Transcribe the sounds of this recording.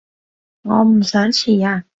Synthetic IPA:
ŋɔ˨˧m̩˨˩sœː˨˥nt͡ɕʰiː˨˩aː˧

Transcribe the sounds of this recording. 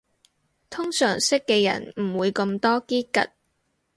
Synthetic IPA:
t̪ʰʊ˥ŋsœː˨˩ŋsɪ˥kːɛː˧jɐ̰˨˩nm̩˨˩wuː˨˧jkɐ˧mt̪ɔː˥kiː˥kɐ̰˨t̚

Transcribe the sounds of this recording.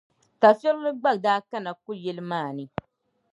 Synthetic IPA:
ta˨fɛ˦lnɨ˦ɡ͡ba˦˨k̚daː˦ka˦na˨ku˦jɛ˦lɨ˦maː˦˨nɨ˨

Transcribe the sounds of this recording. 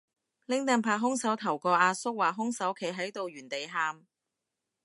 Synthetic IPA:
lɪ˨˥ŋt̪ɐ˨˧ŋpʰaː˨˩ɦʊ˥ŋsɐ˨˥wt̪ʰɐ˨˩wkɔː˧ʔaː˧sʊ˥k̚waː˨˩ɦʊ˥ŋsɐ˨˥wkʰe˨˩jɦɐ˨˥jt̪o˨wjyː˨˩nt̪e˨jɦaː˧m

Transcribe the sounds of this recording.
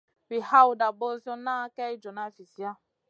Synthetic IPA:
wi˨ha˦wu˨da˨bɔ˦zɔ˦na˦kɛ˦i˦d͡ʒɔ˨na˦fi˨si˨a˦

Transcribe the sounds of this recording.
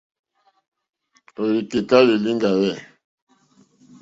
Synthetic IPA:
o˨li˨ke˨ta˦li˨li˦ŋɡa˨wɛ˦˨

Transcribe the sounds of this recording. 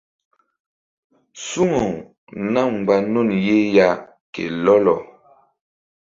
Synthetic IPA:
su˦ŋo˨ | na˦˨ŋ͡m̩˨ɡ͡ba˨no˦˨nje˦ja˦ | kḛ˨lɔ˦lɔ˨

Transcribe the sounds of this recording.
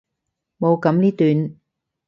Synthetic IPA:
mo˨˧wkɐ˨˧˥mniː˥t̪yː˨˧n

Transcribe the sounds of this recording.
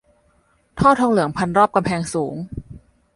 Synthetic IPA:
t̪ʰɔː˥˩t̪ʰɔː˧ŋlɯ˩˦əŋpʰa˧nɾɔː˥˩p̚ka˧mpʰɛː˧ŋsuː˩˦ŋ

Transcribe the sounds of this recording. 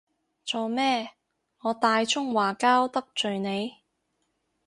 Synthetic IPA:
t͡soː˨˧mɛː˥ | ŋɔː˨˧t̪aː˧jt͡ʃʰʊ˥ŋwaː˨˩kaː˥wt̪ɐ˥k̚t͡ʃɵ˨ɥne˨˧j

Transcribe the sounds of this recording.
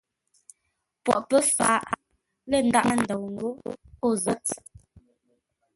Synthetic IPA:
pwɔ̰˨ʔpə˦fa̰ː˨˦ʔ | lə˦˨n̩˨da˦ʔa˦n̩˨də˨wŋ̩˨ɡo˦o˦˨zə˦t

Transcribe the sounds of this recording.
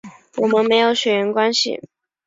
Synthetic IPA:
wɔ˨˩mə˦nme˧˥ɪjo˧˥ʊɕɥɛ˨˩ɥə˧˥nkwa˥nɕḭ˨˩

